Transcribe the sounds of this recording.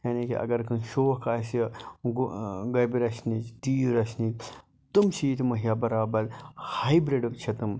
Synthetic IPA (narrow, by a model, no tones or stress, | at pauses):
jaːnikḭʔɐ̰ɡɐɾkʰɨnʃoːkaːsiɡɡɐbiɾɐʃnit͡ʃd̪iːɾɐʃni | t̪umʃiːt̪mɐɦijaːbɐɾaːbɐɾhajbɾeɖɐkt͡ʃʰɐt̪um